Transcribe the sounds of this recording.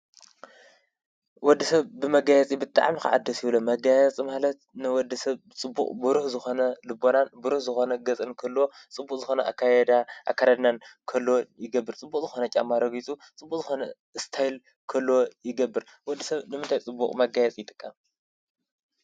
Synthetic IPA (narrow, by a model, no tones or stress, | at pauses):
wɔd̪ːisɐβbɨmɐɡajɛt͡sʼibɨt̪ʼa̰ʕmika̰ʕa̰d̪ːɐsjiβlomɐɡajɛt͡sʼimalɐt̪̚nɨwɔd̪ːɐsɐβ | t͡sʼɨbːṵkʼbɨɾuhzɨxo̞nɐlɨbo̞nanbɨɾuhzɨxo̞nɐɡɐt͡sʼɨnkʰɐlːwot͡sʼɨbːukʼzɨxo̞nɐʔa̰kʰːajɛd̪aʔa̰kʰːaɾad̪nankʰɐlːojɪɡɐbːɨɾt͡sʼɨbːukʼzɨxo̞nɐt͡ʃʼa̰mːaɾɐɡit͡sʼut͡sʼɨbːukʼzɨxo̞nɐ | ɨst̪ʰajl | kʰɐlːojɪɡɐbːɨɾ | wɔd̪ːɨsɐβnɨmɨnt̪ʰajt͡sʼɨbːukʼmɐɡajɛt͡sʼijɪt̪ʼɨkʼːam